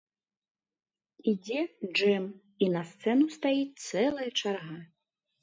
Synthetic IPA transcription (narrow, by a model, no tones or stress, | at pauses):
id͡zʲɛd͡ʐɛm | inɐst̪sɛnust̪ajit͡sʲt̪sɛlˠɐjɐt͡ʂarɣa